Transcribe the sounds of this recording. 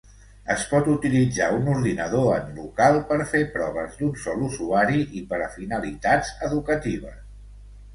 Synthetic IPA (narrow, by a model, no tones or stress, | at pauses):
əspɔt̪ut̪ilid͡zaunuɾðinəðoənlukalˠpəɾfepɾɔβ̞əzd̪unsɔluzuaɾiʔipəɾəfinəlit̪adzəðukət̪iβ̞əs